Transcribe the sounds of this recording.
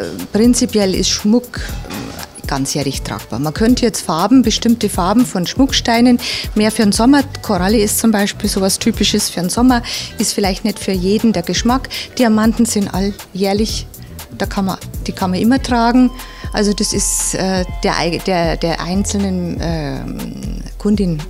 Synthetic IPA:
pʁ̥ɪnt͡sipjɛlɪ̰stʃmʊk | ɡ̥ant͡sjeɐlɪçtʁ̥a̰ːk̚b̥a̰ːɐmakʰœntəjɛt͡stfaɐbm̩bəʃtɪmtəfaɐbm̩fɔnʃmʊkʃtaɪnənmeːɐfyːɐnzɔmɐkʰoʁaliɪstt͡sʊmbaɪʃpiːlzoːvastʰyːpɪʃəsfyːɐnzɔmɐʔɪstfɪlaɪçtnɛtfyːɐjeːdn̩deːɐɡəʃmakd̥iːamantn̩z̥ɪntʔa̰l | jeːɐlɪç | d̥aːkʰanmɐd̥iːkʰanmɐʔɪmɐtʁ̥aːɡŋ̩ | ʔa̰lzodasɪsʔɛːd̥eːɐʔa̰ɪd̥eːɐd̥eːɐʔa̰ɪnt͡sl̩nənʔɛː | kʰʊndɪn

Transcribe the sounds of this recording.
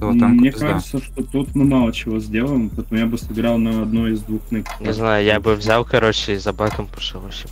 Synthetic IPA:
mnʲekaʐɨt̪səʂt̪ot̪ut̪mɨmɑlˠət͡ɕɪvo̞zʲdʲe̞lˠəɪmpɐɛt̪əmujabɨsɨɡɾɑlˠnɐɐd̪noɪzd̪vuxnɨknʲɪznajʊjabɨvzʲalˠkɐɾo̞t͡ɕːɪizɐbakəmpɐ̥ʂɨvoɕɪm

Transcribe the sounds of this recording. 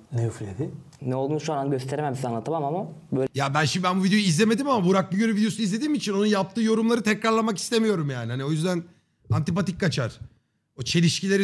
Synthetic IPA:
neɯflʲed̪ɪnɛolˠd̪uːnʃonanɟøst̪ʰeɾemæmisanlːˠat̪ʰamamamabøjabænʃimd̪ibænbuvid̪ejuizlʲeme̞d̪imamabuɾak̚biɟøɾɛvid̪eouizlʲe̞d̪iːmit͡ʃʰino̞njap̚t̪ʰɯːjo̞ɾumlˠaɾɯt̪ʰɛcɾaɾlˠamaki̥st̪e̞mijo̞ɾumjaːnihanio̞jyzd̪æn | ant̪ip̬at̪ik̚kːʰat͡ʃʰaɾ̥ | ot͡ʃʰe̞lʲiʃcilʲei

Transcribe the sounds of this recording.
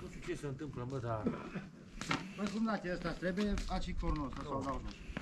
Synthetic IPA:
nuʃt̪ʲut͡ʃesəɨnt̪ɨmpləməd̪a | pəkumd̪at̪ʲeəst̪ast̪ɾebujeat͡ʃikfoɾnosasawd̪auo

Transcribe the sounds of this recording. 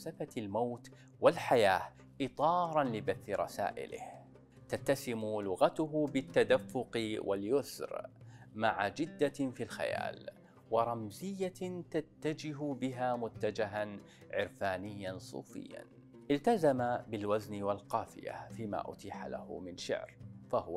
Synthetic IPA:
safat̪lmawt̪ | walħajaː | ʔɪt̪ˤɑːɾˤɑnlɪbaθːɪɾˤɑ̰sa̰ːʔɪ̰lɪ̰h | t̪at̪ːasɪmʊlʊɣat̪ʊɦʊbɪt̪ːad̪afːʊqwʔa̰ljʊsɾmaʕa̰d͡ʒɪd̪ːafiːlxa̰ja̰ːl | wɑɾˤɑmzɪjːat̪at̪ːad͡ʒɪɦʊbɪɦaːmʊt̪ːad͡ʒɪɦan | ʕɪ̰ɾfaːnɪjːansˤṵːfɪ̰jːa̰n | ʔɪlt̪azamabɪlwaznɪwalqɑːfɪja̰fiːma̰ːʔʊ̰t̪iːħa̰la̰hʊ̰mɪnʃɪ̰ʕɾfahʊwa

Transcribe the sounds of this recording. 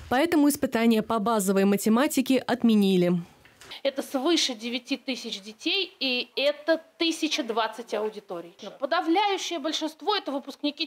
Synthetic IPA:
pɐɛt̪əmʊɪspɨt̪anʲɪjəpɐbazəvəjmətʲɪmatʲɪkʲɪʔɐt̪mʲɪnʲilʲɪ | ɛt̪əsvɨʂɨdʲɪvʲɪtʲit̪ɨsʲɪt͡ɕdʲɪtʲejiɛt̪ət̪ɨsʲɪt͡ɕɪd̪vat̪sɨtʲɐʊdʲɪt̪o̞ɾʲɪjpəd̪ɐvlʲæjʉɕːɪjəbəlʲʂɨnst̪vo̞ɛt̪əvɨpʊsknʲɪkʲi

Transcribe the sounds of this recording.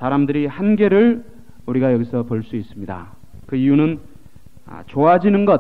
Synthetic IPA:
saɾamdɯɾihanɡe̞ɾɯɭ | uɾiɡajʌɡisʰʌpoɭs͈uis͈ɯmɲida̰ | kɯijunɯn̰ | t͡ɕoɦad͡ʑinɯnɡʌ

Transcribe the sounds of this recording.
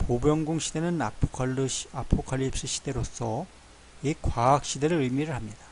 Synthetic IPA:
pobjʌŋɡoŋɕ͈ʰid̪e̞nɯnaoapʰokʰaʎːip̚s͈ɯɕ͈ʰi̥d̥e̞ɾos͈ʰʌ | ikwaak̚ɕ͈ide̞ɾɯɾɯɭmiɾɯɭɦamɲida

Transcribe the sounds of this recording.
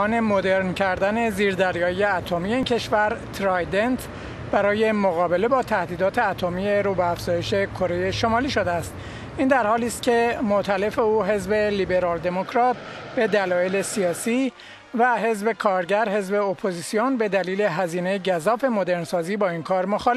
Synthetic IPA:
ɒːne̞mo̞d̪eɾncʰæɾd̪æne̞ziːɾd̪æɾjɒːijeæt̪ʰomije̞iːncʰe̞ʃvæɾt̪ʰɾɒjd̪ent̪ʰ | b̥æɾɒːje̞moɣɒːbe̞le̞bɒːt̪ʰæhd̪iːd̪ɒːt̪ʰe̞æt̪ʰo̞mijeɾubeæfz̥ɒːje̞ʃe̞kʰo̞ɾe̞jeʃo̞mɒːliːʃo̞d̪eæst̪ | ʔind̪æɾhɒːliːst̪̚cʲʰe̞mot̪ʰæle̞fe̞uːɦe̞zbe̞liːbe̞ɾɒːld̪e̞mokʰɾɒːt̪ʰ | b̥e̞d̪ælɒːje̞le̞sijɒːsiː | væɦe̞zbe̞kʰɒːɾɟæɾhe̞zbe̞opʰoziːsijonbe̞d̪æliːle̞ɦæziːne̞jeɟæzɒːfe̞mo̞d̪e̞ɾnsɒːziːbɒːinkʰɒːɾmo̞xɒle

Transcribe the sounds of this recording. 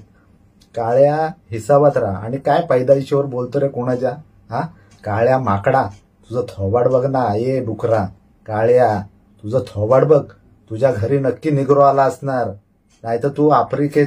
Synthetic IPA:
kaɭjaɦisabat̪ɾaa̰ɽ̃ikajpəjd̪aiɕeʋəɾbolt̪əɾekuɽ̃ad͡ʑa | ɦã | kaɭjamakɽa | t̪ud͡zət̪ʰɔʋaɽbəɡnaːjeɖukɾa | kaɭja | t̪ud͡zat̪ʰɔʋaɽbəɡ̚ | t̪ud͡ʑjaɡʱəɾiːnəkːiːniɡɾɔalaəsnaɾ | najt̪ət̪uapɾike

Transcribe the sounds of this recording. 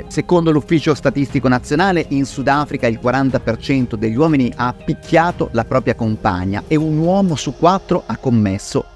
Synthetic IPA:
sekond̪olufːiːt͡ʃost̪at̪ist̪ikonat̪sːjonaːleʔinsud̪afɾikailkwaɾant̪apert͡ʃɛnt̪od̪eʎːiwɔːminiʔaːpːikʰʲːjaːt̪o̰lapɾɔːpɾjakompa̰ɲːa̰eunwɔːmosukːwat̪ːɾoʔakːomːesːo̰

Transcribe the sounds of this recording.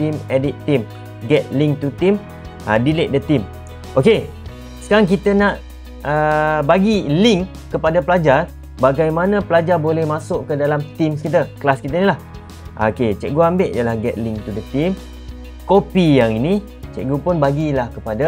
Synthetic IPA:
t̪imedit̪ːim | ɡɛt̪̚lɪŋt̪ut̪im | a̰dilɪʔ̚dət̪im | ʔoke | sə̥kaɾaŋk̬it̪ənãʔ | əbaɡiliŋ | kəpadapəlad͡ʒar | baɡajmanãpəlad͡ʒarbolɛhmãsʊʔkədalamt̪imkit̪̬əkəlaskit̪ənilah | ʔo̰ket͡ʃɛ̰ʔ̚ɡuambɪʔjəlahɡɛt̪̚lɪŋt̪udət̪im | kopijaŋini | t͡ʃɛ̰ʔ̚ɡupʊnbaɡilahkəpada

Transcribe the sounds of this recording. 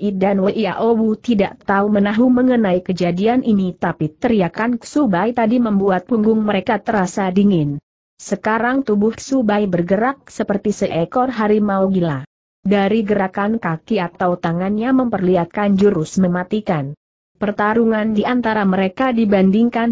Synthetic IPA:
ʔidanwəʔia̰ʔobut̪idaʔt̪aumənaɦuməŋənaikəd͡ʒadianinit̪apit̪əɾiakansubajt̪adiməmbuat̪̚pəŋɡʊŋməɾekat̪əɾasadiŋɪn | səkaɾaŋt̪ubʊhsubajbərɡəɾak̚səpərt̪isəʔɛkɔrɦaɾimawɡila | daɾiɡəɾakankakiat̪awt̪aŋanɲaməmpərliat̪̚kand͡ʒəɾʊsməmat̪ikan | pərt̪aɾuŋandiʔant̪aɾaməɾekadibandiŋkan

